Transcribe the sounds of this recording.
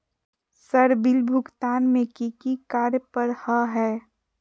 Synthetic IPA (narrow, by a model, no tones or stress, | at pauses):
səɾbɪlbʱʊkt̪aːnmẽkikikaːɾjəpəɾhəɦɛː